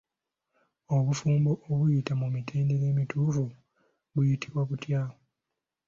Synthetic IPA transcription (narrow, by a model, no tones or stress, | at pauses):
oβufuːmboʔoβujitamumitʰe̞ːndeɾe̞ːmituːfu | βujitʰiβwaβutja